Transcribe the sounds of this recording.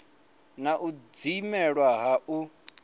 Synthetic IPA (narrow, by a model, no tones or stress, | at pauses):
naʔud͡zimɛɺwaɦaʔu